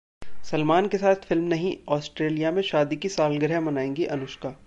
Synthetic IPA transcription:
sɐlmaːnkesaːt̪ʰfɪlmnɐɦĩɔːsʈɾeːlijamẽʃaːd̪ikisaːlɡəɾɛmɐnaːẽːŋɡiʔɐnʊʃkaː

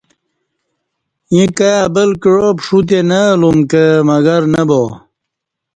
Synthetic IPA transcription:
jĩkajabəlkiɻopʂut̪̬enəlumkəmɐɡɐɾnəbo

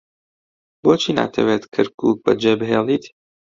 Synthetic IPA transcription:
boːt͡ʃʰiːna̰ːt̪ʰɐ̰weːt̪kʰɐɾkʰṵːk̚bɐ̰d͡ʒeːbɨɦeːlˠiːt̪

